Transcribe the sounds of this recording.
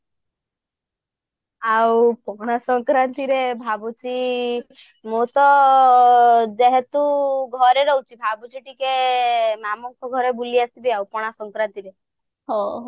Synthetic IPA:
awpɔɽ̃asɔŋkɾant̪iɾebʱabut͡ʃi | mot̪ɔ | d͡ʒeɦet̪uɡʱɔɾeɾɔwt͡ʃʰibʱabut͡ʃʰiʈikemamɔŋkɔɡʱɔɾebuliasibiawpɔɽ̃asɔŋkɾant̪iɾe | ɦɔ̃

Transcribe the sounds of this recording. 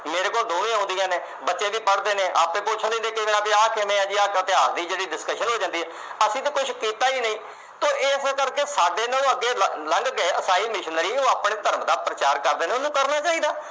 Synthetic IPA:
meːɾeːkoːld̪oːnẽãɦʊ̃ːnd̪ɪjãːneː | bətːʃẽːʋiːpəɽd̪eːneːʔaːpeːpʊt͡ʃʰə̃nd̪ẽnd̪eːkeʋenãːpeaːkʰemẽːãːd͡ʒiːaːkət̪ɪaːɾd̪iːd͡ʒeːɽiːɖɪskəʃənɦoːd͡ʒãːnd̪iːɦɛː | əsĩːt̪̬eːkʊt͡ʃʰkiːt̪aːiːnəĩː | t̪õːʔeːskəɾkeːsaːɖeːnaːnõːəɡːeːləŋɡɡeeəsaːiːmɪʃənəɾiːoːaːpɽeːt̪əɾəmd̪aːpɾət͡ʃaːɾkəɾd̪eːnẽʊnũːkəɾnaːt͡ʃaːiːd̪aː

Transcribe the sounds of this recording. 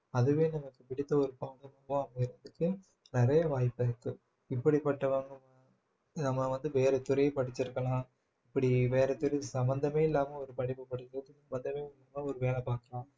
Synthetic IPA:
ɐðɯʋeːnɐmːɐkːɯpɪɽɪt̪ːɐɔɾɯpaːɡɐmɐʋʊ̃ɐmɐɪɾɯʋɐðɯkːɯ | nɪɾɐjɐʋaːjpːɐɾkːɯ | ɪpːɐɽipːɐʈːɐʋɐŋɐmɐ | nɐmːɐʋɐnd̪ɯʋeːɾɛt̪ʊɾɐjɐpɐɽɪt͡ʃːɪɾɯkːɐlãː | ɪpːɐɽiʋeːɾɛt̪ʊɾɐsɐmbɐnd̪ɐmeːɪlːaːmɐɔɾɯpɐɽɪpːɯpɐɽɪɯɐkːɯsɐmbɐnd̪ɐmeːʊnːɐmɐɔɾɯʋeːlɛpaːkɐlãː

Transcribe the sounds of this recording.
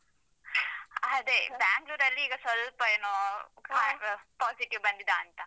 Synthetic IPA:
ɐd̪ebaːŋɡluːɾɐlːiiːɡɐsʋɐlpɐeːnoːkapaːsiʈiʋbɐnd̪id̪aːnt̪ɐ

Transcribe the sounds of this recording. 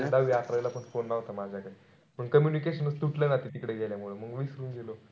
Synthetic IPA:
d̪aʋjakɾajlapəɳfonːaɦot̪amad͡ʑʱjakaɽi | pəɳkəmjunikeɕənəst̪uʈlanat̪it̪ikɽeɡʱeljamuɭəməɡʋisɾuːnɡilo

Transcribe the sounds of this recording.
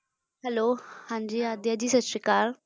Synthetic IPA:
hɛlohãɲd͡ʑiːad̪jad͡ʑiːsɐsɾikaːɾ

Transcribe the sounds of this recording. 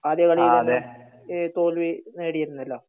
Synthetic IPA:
aːðjɐkɐɭijiðe | t̪oːlʋineːɽijɐɾunːɐlːoː

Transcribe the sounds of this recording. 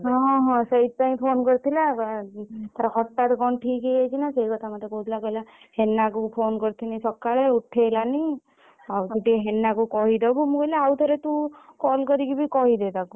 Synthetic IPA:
ɦɔ̃ɦɔ̃ɦɔ̃seɦit̪̚paĩpʰonkɔɾt̪ʰila | t̪ʰaɾaɦɔʈːat̪kɔnʈʰikejejt͡ʃʰinaseikɔt̪ʰamat̪ekowt̪ʰilakɔila | henːakupʰonkɔɾt̪ʰinisɔkːaɭeuʈʰelani | awtuʈieɦenːakukɔɦid̪ɔbumũkɔilaawt̪ʰɔɾet̪ũkɔlkɔɾikibʱikɔɦid̪et̪aku

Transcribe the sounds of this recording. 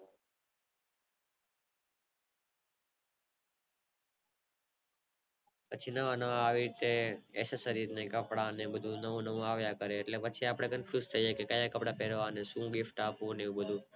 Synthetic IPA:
pət͡ʃʰinəʋanəʋaʋiɾit̪eḛsesəɾiɾnekəpɽanebəd̪ʱũnəʋũnəʋũaʋjakəɾeːʈlepət͡ʃʰiapɽ̃ekənfjuzt̪ʰəijekekəjakəpɽapeɾʋanesũɡifʈapũneũbəd̪ʱũ

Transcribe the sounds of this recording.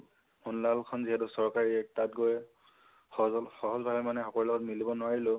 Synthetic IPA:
mɔnlalkʰɔnziɦɛtʊsɔɹkaɹiɛk̚tatɡojɛ | ɔxɔɦɔzbʱabɛmanɛxɔkɔɹlɔɡɔtmilibɔnʊwaɹilʊ

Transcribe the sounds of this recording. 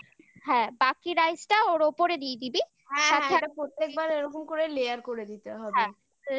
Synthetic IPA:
ɦɛ̃bakiɾajsʈaoɾopoɾed̪ijd̪ibi | ɦɛ̃at̪ʰeapɾot̪ːek̚baɾeɾɔkomkoɾelejaɾkoɾed̪it̪eɦɔbɛẽ

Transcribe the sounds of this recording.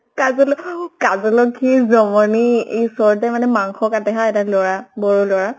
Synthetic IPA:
kazɔlɔkazɔlɔkʰizɔmɔniesɔɹtɛmanɛmaŋxɔkatɛɦaɛtalɔɹabɔɹulɔɹa

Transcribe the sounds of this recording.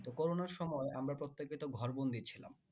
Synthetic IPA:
t̪okoɾonaɾʃɔmɔeʔamɾapɾot̪ːekit̪oɡʱɔɾbond̪it͡ɕʰila̰m

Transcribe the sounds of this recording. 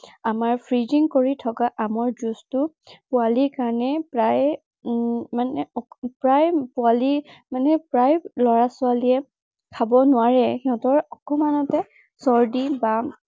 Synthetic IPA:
amaɹpʰɹiziŋkoɹitʰɔkaʔamɔɹzustʊ | pʊalikaɹɔnɛpɹaj | manɛpɹajpʊalimanɛpɹajlɔɹasʊaliɛ | kʰabɔnʊaɹɛhiɔ̃tɔɹɔkɔmanɔtɛ | sɔɹdiba

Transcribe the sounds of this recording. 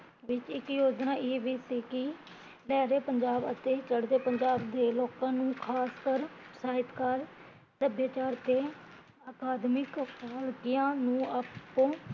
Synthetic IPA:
ʋɪt͡ʃɪkjoːd͡ʒnãːʔeːʋiːsiːkɪ | lɛːɾeːpəɲd͡ʒaːbət̪eːt͡ʃəɽd̪eːpəɲd͡ʒaːbd̪eːloːkãːnũːkʰaːskəɾsaːɦɪt̪kaɾ | səbjaːt͡ʃaːɾt̪eː | aːkaːd̪mɪkɦəlkɪjãːnũːapːõː

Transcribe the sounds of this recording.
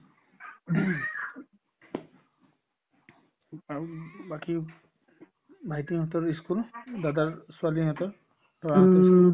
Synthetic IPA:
abaki | bʱajtiɦɔt̪ɔɹiskuldadaɹsualiɦɔt̪ɔɹ | ɔaais

